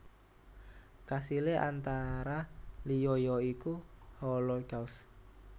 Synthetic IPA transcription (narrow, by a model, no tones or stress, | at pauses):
kasileʔant̪aɾalijɔjɔikuhɔlɔɡaus